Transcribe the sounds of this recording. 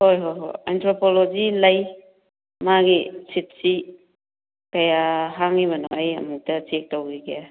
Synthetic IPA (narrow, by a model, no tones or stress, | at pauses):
hojɦojɦo̰jantɾopʰolozilɐj | maɡisʰit̚si | kɐjaɦaŋiβɐnɔajɐ̰muk̚tɐt͡ʃek̚towɡiɡeja